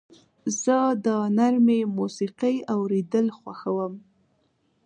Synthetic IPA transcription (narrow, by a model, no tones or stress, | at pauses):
z̥əd̪ənaɾmemusiqəjawɾed̪əlxwaxawəm